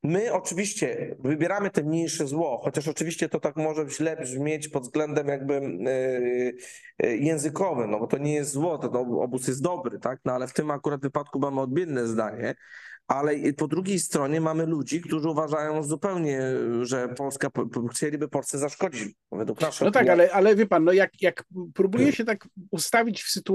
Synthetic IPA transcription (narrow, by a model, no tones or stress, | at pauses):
mɘɔt͡ʂɘvʲiɕt͡ɕɛvɘbʲjɛɾamɘt̪ɛmɲejʂɛzwɔxɔt͡ɕaʂ̬ɔt͡ʂɘvʲiɕt͡ɕɛt̪ɔt̪akmɔʐɛʑlɛbʑmʲjet͡ɕpɔd̪zɡlɛnd̪ɛmjaɡ̚bɘ | jɛ̃w̃zɘkɔvɘmnɔbɔt̪ɔɲɛjɛst̪zwɔt̪ɛnɔɔ̰busjɛst̪d̪ɔbɾɘt̪aknɔalɛft̪ɘmakuɾad̪vɘpat̪̚kumamɔd̪̚bʲjɛnːɛzd̪aɲɛ | ʔalɛpɔd̪ɾuɡʲejst̪ɾɔɲɛmamɘlud͡ʑikt̪uʐɘuvaʐajɔ̃w̃zupɛwɲɛʐɛpɔlskaxt͡ɕelʲibɘpɔlsɛzaʂkɔd͡ʑit͡ɕ | vɛd̪wuknaʂɛnɔt̪akalɛʔalɛvʲjɛpanːɔjakjakpɾubujɛɕɛt̪akust̪avʲit͡ɕfsɘt̪u